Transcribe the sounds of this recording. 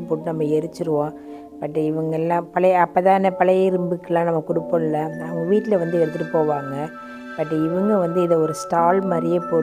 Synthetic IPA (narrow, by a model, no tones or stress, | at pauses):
pːoːʈːɯnɐmːɐɛɾɯt͡ʃːɯɾɯʋõː | pɐʈːɪʋɐŋɡɐɛlːãːpɐɭɐɐpːɐt̪ãːɛnɐpɐlɐjɪɾɯmbɯkːɐlãːnɐmːɐkʊɽɯpːɐnɪlːɐnɐʋɐŋɡɐʋiːʈːɪlɐʋɐnd̪ɯɛɾɯt̪ːɪʈːɯpoːʋaːŋɡɐ | pɐʈːɯɪʋɐŋɡɐʋɐnd̪ɯɪðɐɔɾɯsʈaːlmɐɾɪjepoː